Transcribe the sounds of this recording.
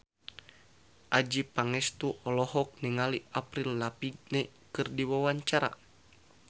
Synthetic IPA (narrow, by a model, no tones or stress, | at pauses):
ʔad͡ʒipaŋɛst̪uʔɔlɔɦɔk̚niŋaliapɾilːapiɡ̚nɛ | kɨrdiwawaɲt͡ʃaɾa̰